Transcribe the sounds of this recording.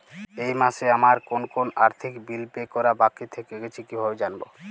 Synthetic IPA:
ejmaʃeamaɾkonkonaɾt̪ʰikbilpekɔɾabakit̪ʰekeɡet͡ɕʰikibʱabed͡ʑanbo̰

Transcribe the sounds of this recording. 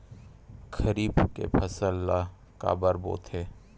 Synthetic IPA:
kʰəɾiːbkḛpʰɐsəlːa | ka̰ːbəɾbo̰ːt̪ɦeː

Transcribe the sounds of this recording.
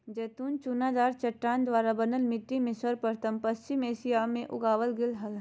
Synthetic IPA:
d͡ʒɛːt̪uːnt͡ʃuːnaːd̪aːɾt͡ʃɐʈːaːnd̪ʋaːɾabɐnəlmɪʈːimɪsʋəɾpəɾt̪əmpɐst͡ʃɪmeːsijaːmẽʔʊ̰ɡaːʋəlɡɪlɦɐl

